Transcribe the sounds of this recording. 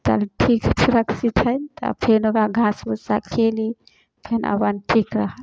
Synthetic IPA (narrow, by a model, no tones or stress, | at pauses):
t̪ɐ̰lʈʰikt͡ʃʰɾɐkʰsit̪ʰənt̪ɐ̰pʰenoɡaɡʱãsbusakʰeli | pʰena̰banʈʰikɾəɦəl